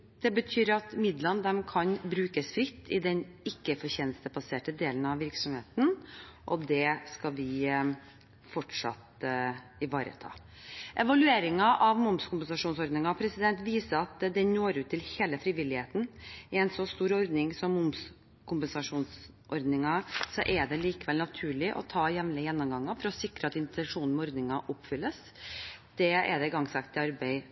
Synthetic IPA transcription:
d̪̥ɛbət̪ʰyːɾɑt̪mɪd̪lənd̪ɛmkʰɑnbɾʉːkəsfɾɪt̪ːɪd̪ɛnɪkːəfɔɾçeːnəst̪əbɑseːʈəd̪eːlənɑʋʋɪɾksɔmheːt̪n̩ʔɔd̪ɛskɑʋɪ | fɔʈʂɑ̰t̪ | ɪʋɑːɾə̰t̪ʰɑ̰ː | ʔɛʋɑlʉeːɾɪŋɑʔɑʋmʊmskʊmpɛnsɑʂuːnsɔɾd̪nɪŋɑpʰɾɛsɪd̪ɛnt̪ʋiːsəɑt̪d̪ɛnoːɾʉːt̪ʰːɪlheːləfɾɪʋɪlːɪheːt̪n̩ɪɛɪnsɔst̪uːɾɔɾd̪nɪŋsɔmːʊms | kʰʊmpɛnsɑʂuːns | ʔɔɾd̪nɪŋɑsɔʔɛɖ̪ɛliːkəʋɛlnɑt̪ʰʉːɭɪʔɔ̰t̪ʰɑːjɛʋnəjɛnːɔmɡɑŋːɑfɔɾɔsɪkɾəɑt̪ɪnt̪ɛnʂuːn̩mɔɾd̪nɪŋɑʔʊpːfʏlːəs | d̪̥ɛɛ̰ɖ̪ɛɪɡɑŋsɑkt̪ɪɑɾbɛɪ

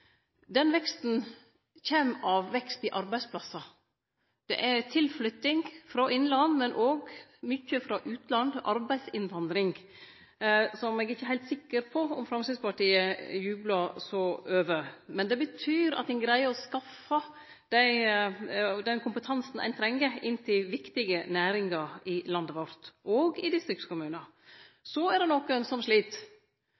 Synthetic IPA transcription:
d̪ɛnʋɛkst̪n | çeːmɑʋʋɛkst̪ɪʔɑɾbæɪspʰlɑsɑ | d̪̥ɛ̰ʔæt̪ʰɪlflʏt̪ːɪŋfɾɑʔɪnlɑnmɛnʔoːɡmʏçːəfɾɑʔʉːt̪lɑnd̪ʔɑɾbæɪsɪnʋɑnd̪ɾɪŋ | sɔmɛɡɪçːəɦæɪlt̪sɪkːəɾpʰɔɔmfɾɑmsəspɑʈiːəjʉːblɑsɔøːʋəmɛnd̪ɛbət̪ʰyːɾɑ̰t̪d̪ɛnɡɾæɪəɔskɑfːɑ | d̪̥æɪ | d̪ɛnkʰʊmpət̪ʰɑnsn̩æ̰ɪnt̪ʰɾɛŋːəɪnt̪ʰɪlʋɪkt̪ɪɡənæːɾɪŋɑɾɪlɑnd̪əʋɔɾt̪ʔɔːɡɪd̪ɪst̪ɾɪkskʊmʉːnɑ | sɔæɖɛnɔkːənsɔmʂɭiːt̪

